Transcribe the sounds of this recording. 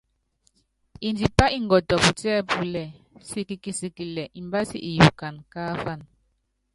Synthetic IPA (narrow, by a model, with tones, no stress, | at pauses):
i˨ndi˨pa˦ʔi˦ŋ˨ɡɔ˨tɔ˨pu˨tɛː˦pu˨lɛ˨ | si˦ki˨ki˨si˨ki˨lɛ˨ʔi˨mba˦sḭ˦ʔi˨ju˨ka˨nkaː˦fa˦˨n